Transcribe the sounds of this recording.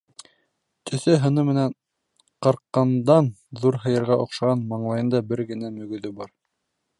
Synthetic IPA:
t̪ʰɵ̆θɘɦɤ̆nɤmɘ̆næn | qɑɾqːɑnd̪ɑnðuɾɦɤ̆jɤ̆ɾʁɑʔŏqʃɑʁɑnmɑɴlˠɑjɤ̆nd̪ɑbɘɾɡɘ̆næmɵ̆ɡɵ̆ðɵbɑɾ

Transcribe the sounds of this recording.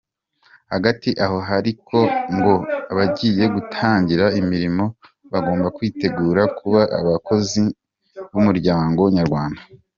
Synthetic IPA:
haɡatiʔaɦo̞ɦaɾikʰo̞ŋɡo̞aβaɟiːje̞ɡutʰaːɲɟiɾaimiɾimo̞ | βaɡo̞ːmbakwiːte̞ɡuːɾakʰuβaʔa̰βakʰo̞zi | βumuɾɟaːŋɡoɲaɾɡwaːnda

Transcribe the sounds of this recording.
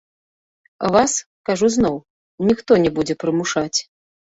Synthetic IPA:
ɐ̰vas | kaʐuznɔw | nʲixt̪ɔnʲɛbud͡zʲɛpɾɨmuʂat͡sʲ

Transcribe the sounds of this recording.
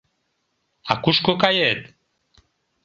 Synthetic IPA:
a̰kuʃkokajet̪

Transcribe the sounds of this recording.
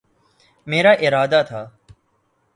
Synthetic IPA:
meːɾaːʔɪɾaːd̪aːt̪ʰaː

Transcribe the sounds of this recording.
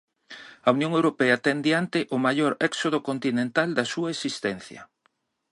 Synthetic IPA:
ɐunjõŋewɾopɛɐat̪ɛnd̪jant̪ɪʔʊmaʎoɾɛksoð̞okont̪inẽnt̪ald̪ɐsuɐesist̪ɛn̟θjɐ̰

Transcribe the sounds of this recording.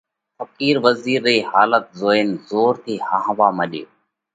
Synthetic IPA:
fəkiːɾʋəziːɾːiːhaːlət̪̚zoːeːnzoːɾt̪ʰiːhaːɦʋaːməɗeː

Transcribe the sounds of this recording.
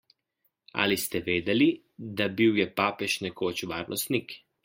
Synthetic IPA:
a̰list̪ɛʋeːd̪ɛli | d̪abiwjɛpaːpɛʃnɛkoːt͡ʃʋaːɾnʔɔ̰st̪nik

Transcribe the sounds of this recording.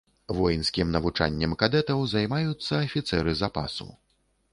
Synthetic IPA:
vɔjnsʲkʲimnɐvut͡ʂa̰nʲːɐmkad̪ɛt̪ɐwzajmajut̪sːɐːfʲit̪sɛɾɨzapa̰sṵ

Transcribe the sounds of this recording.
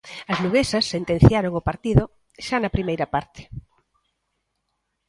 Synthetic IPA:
ɐznuɣesɐsːent̪ẽn̟θjaɾoŋopaɾt̪iðo | ʃanɐpɾimejɾɐpaɾt̪ɪ̥

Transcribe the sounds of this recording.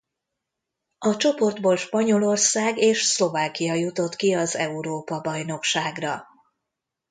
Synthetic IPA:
ɒt͡ʃo̞po̞rd̪bolʃpɒɲo̞lo̞rsaːɡeːʃslo̞vaːkijɒjut̪o̞t̪kiɒzɛuɾoːpɒbɒjno̞kʃaːɡrɒ

